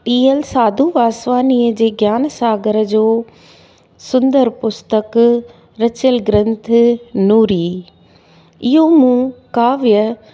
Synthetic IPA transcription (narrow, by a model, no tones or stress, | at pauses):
ʈiːəlsaːd̪ʱuʋaːsʋaːniːəd͡ʑeːɡjaːnsaːɡəɾd͡ʑoː | sʊ̃nd̪əɾpʊst̪ək | ɾɐt͡ɕəlɡɾə̃nt̪ʰnuːɾiː | ɪɦomũːkaːʋjə